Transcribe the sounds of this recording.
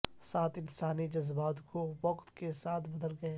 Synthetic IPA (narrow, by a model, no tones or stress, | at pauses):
saːt̪ɪ̃nsaːnid͡ʒɐzbaːt̪kʰoʋɐqt̪kesaːt̪ʰbɐd̪əlɡɐeː